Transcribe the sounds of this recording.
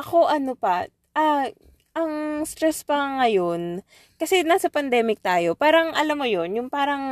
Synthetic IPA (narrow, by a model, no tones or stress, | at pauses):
ʔɐko̞ʔɐnopɐ | ʔɐ | ʔɐŋst̪ɾɛspɐŋɐjo̞n | kɐsɛnaːsɐpɐnd̪ɛːmɪk̚t̪aːjo̞paːɾɐŋʔɐlamːojo̞njʊŋpaːɾɐŋ